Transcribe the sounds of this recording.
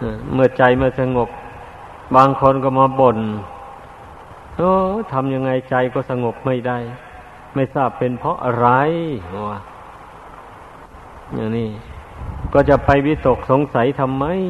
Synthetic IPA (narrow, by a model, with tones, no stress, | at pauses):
ʔaː˧˩mɯ˧˩ət͡ɕa˧jmaː˧˩˨sa˧ŋo˨˩p̚ | baː˧ŋkʰo˧˥˨nkɔː˧˩maː˧˥bo˧˩n | ʔoː˧˩t̪ʰa˧mja˧ŋːa˧jt͡ɕa˧jkɔː˧˩sa˧ŋo˨˩p̚ma˧˥˩jda˧˩j | ma˥˩jsaː˥˩pːe˧npʰɔ˧˥ʔa˧ɾa˧ja˧˩ | ja˨˩ŋniː˧˩ | kɔː˧˩t͡ɕa˨˩pa˧jwi˦˧˥t̪o˨˩k̚so˨˦ŋsa˨˦jt̪ʰa˧mːa˧˥˨j